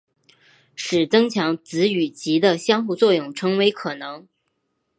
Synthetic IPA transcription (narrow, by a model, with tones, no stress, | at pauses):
ʂɻ̩˨˩t͡sɤ˥ŋt͡ɕʰjɑ˧˥ŋt͡sɹ̩˧˥y˨˩t͡ɕi˧˥d̪ə˧ɕjɑ˥ŋxu˥˧t͡swɔ˥˧jʊ˥˩ŋʈ͡ʂʰɤ˧˥ŋwe˧˥ɪkʰɤ˨˩nɤ˧˥ŋ